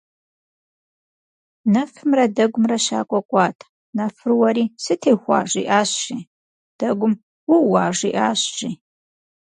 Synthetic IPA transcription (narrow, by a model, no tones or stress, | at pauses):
nɐfɨmrɐdɐɡʷʊmrɐɕa̰ːkʷʼɔkʷʼɑːtʰ | nɐfɨrwɐɾiːsɨtʰeːxʷɑ̰ːʐḭːʔaːɕɕi | d̥ɐɡʷʊm | wuwɑːʐḭːʔaːɕʒiː